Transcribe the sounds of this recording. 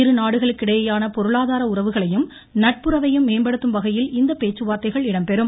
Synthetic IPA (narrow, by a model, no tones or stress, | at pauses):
ɪɾɯnaːɽɯɣɐɭɯkːɪɽɐjɐjaːnɐpɔɾɯɭaːðaːɾɐʊrɐʋɯɣɐɭɐjɯm | nɐʈ̚pɯɾɐʋɐjɯmːeːmbɐɽɯt̪ːɯmʋɐɣɐjɪlɪnd̪ɐpeːt͡ʃːɯʋaːt̪ːɐɪɣɐɭɪɽɐmpɛɾɯm